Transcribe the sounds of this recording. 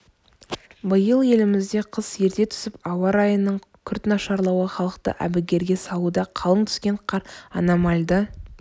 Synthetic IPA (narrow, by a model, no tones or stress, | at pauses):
bəjəlˠje̞lɪmɪzd̪e̞qʰəsje̞ɾt̪e̞t̪ʰʏ̥sɪpɑwɑɾɑjənːəɴkʲʰʏɾt̪nɑʃɑɾlˠɑwəχɑlˠəqt̪ə̰ʔæ̰bɪɡʲe̞ɾɡʲe̞sɑlˠud̪ɑqʰɑlˠəɴt̪ʰʏ̥skʲe̞ɴqʰɑɾɑnɑmɑlʲd̪ə